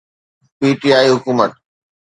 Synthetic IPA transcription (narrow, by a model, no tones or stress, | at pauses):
piːʈiaːiɦʊkuːmət̪̚